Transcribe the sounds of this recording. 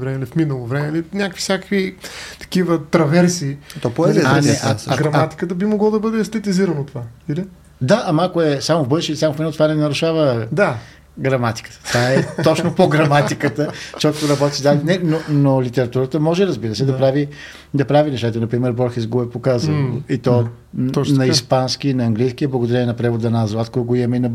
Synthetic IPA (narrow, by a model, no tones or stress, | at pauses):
vɾɛmɛlifminəlˠovɾɛmɛlinʲakkvisʲakə̥kvit̪ɐ̥kivət̪ɾɐvɛɾsiːt̪ɔpoɛzɛanɛʔaɡɾɐmat̪i̥kət̪əbimoɡlˠod̪ɐbɤd̪ɛst̪ɛt̪iziɾɐnot̪ovaili | d̪aʔɐmakoɛsamovbɤd̪ʃilʲisamofminlˠt̪ovanɛnɐɾuʃavəd̪a | ɡɾɐmat̪i̥kə̥t̪ə̥t̪vaɛɔt͡ʃnopoɡɾɐmat̪ikət̪əʃt͡ʃɔt̪oɾɐbɔt̪izd̪alinɛnonolit̪ɛɾɐt̪uɾət̪əmɔʒɛɾəzbiɾəsɛd̪ɐpɾavi | d̪ɐpɾavinɛʃt̪at̪ɐnɐpɾimɛɾbɔɾxɛsɡoɛpokazəlˠoit̪ɔ | nɐispansk̟inɐɐŋɡlijskiəblˠəɡod̪ɐɾʲɛnʲɛnɐpɾɛvod̪ɐnazaskɔjɡoiɛmɛinɐ